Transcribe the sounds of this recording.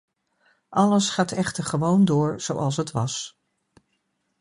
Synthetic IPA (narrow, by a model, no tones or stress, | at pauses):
ʔɑləsχaːtɛχtəɹχəʋowndʊːɹz̥owʔɑlˠsɦətʋɑs